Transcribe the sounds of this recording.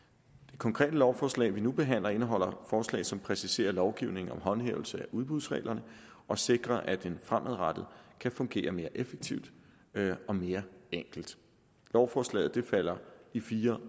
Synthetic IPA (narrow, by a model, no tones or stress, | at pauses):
d̥e̝kʰɒ̽ŋkʰʁɛ̰ːd̥əlɒʊfɒːslɛ̰ːɪʋinub̥e̝ɦæn̰lɐe̝nəɦɒ̽l̰ɐfɒːslɛ̰ɪsɒ̽mpʰʁɛsise̝̰ːɐlɒʊɡ̥iʊne̝ŋ̩ɒ̽mɦɒ̽nhḛːʊl̩səæʔuðˠb̥uðˠsʁɛ̰ːlʔɐnə | ɒ̽se̝ɡ̥ʁɐʔæd̥enfʁamʔəð̩ˠʁad̥ð̩ˠkʰæfɔ̽ŋɡ̥e̝̰ːɐme̝ːɐʔefeɡ̥̚t͡sʰiʊ̰d̥ | ɒ̽me̝ːɐeŋ̰ɡ̥l̩d̥ | lɒʊfɒːslɛ̰ːð̩ˠd̥e̝fæl̰ɐifiːɐ